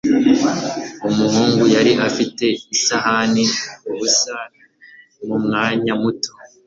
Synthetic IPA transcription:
umuɦuːŋɡujaɾiʔafite̞isahaniuβusana | mumŋaːɲamutʰo

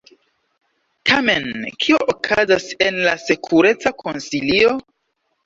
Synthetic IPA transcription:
tʰame̞nkʰioʔokʰazase̞nlasekʰuɾe̞t͡sakʰonsilio̞

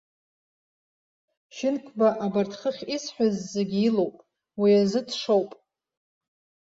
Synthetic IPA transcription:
ʃɪnkʷʰbaʔabartʰχəχʲisħʷᶣazːeɡʲiilo̞wpʼ | wiazɨdʰʂowpʼ

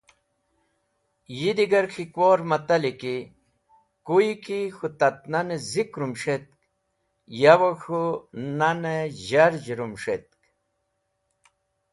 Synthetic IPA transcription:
jid̪iɡɐɾkʰikwoɾmat̪aliki | kujikixut̪at̪̚nanezikɾumʂet̪̚k̚ | jawoxunaneʑaɾd͡ʑɾumʂet̪̚k

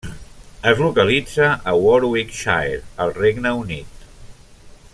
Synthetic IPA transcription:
əzlukəlid͡zəʔəwɔɾwikʃa̰jɾəlˠreɡnəunit̪

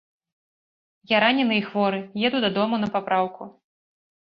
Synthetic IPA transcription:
jaɾanʲɛnɨixvɔɾɨjɛd̪ud̪ad̪ɔmun̪ɐpapɾawku

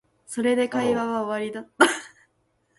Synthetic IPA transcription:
so̞ɾe̞d̪e̞kaiβaβaoβaɾʲid̪at̪ːa

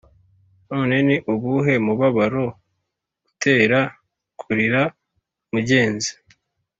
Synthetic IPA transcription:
no̞ːne̞niʔuβuɦe̞muβaβaɾo̞̥ | utʰe̞ːɾa | kʰuɾiɾa | muɟe̞ːnzi̥

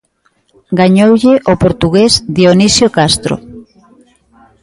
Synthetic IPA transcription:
ɡaɲowʎɪʔopoɾt̪uɣezd̪ionisjokast̪ɾo̰

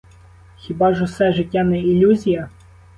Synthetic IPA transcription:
xʲibɑʒʊsɛʒɪtʲːanɛilʲuzʲijɐ

